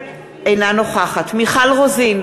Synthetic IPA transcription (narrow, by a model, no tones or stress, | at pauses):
ʔejnano̞χaχatmiχalʁozin